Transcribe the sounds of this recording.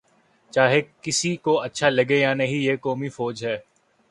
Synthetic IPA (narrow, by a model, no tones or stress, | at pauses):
t͡ʃaːɦekɪsikoɐtːʃʰalɐɡejanɐɦĩjeːkɔːmifɔːd͡ʒɦɛː